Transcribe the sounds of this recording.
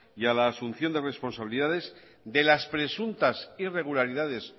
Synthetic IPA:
jalaːsunθjo̞nd̪e̞re̞spo̞nsaβiliðaðe̞z | d̪e̞laspɾe̞sunt̪asire̞ɣ̞ulaɾiðaðe̞s

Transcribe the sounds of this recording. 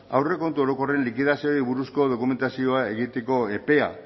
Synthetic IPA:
a̰wre̞ko̞nt̪uo̞ɾo̞ko̞re̞nlikiðasioiβuɾusko̞ðo̞kume̞nt̪asio̞ae̞ɣit̪e̞ko̞e̞pe̞a̰

